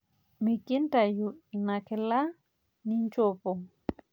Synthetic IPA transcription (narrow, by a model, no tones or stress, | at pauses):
mikintajuʔinakɛla | nint͡ʃopɔ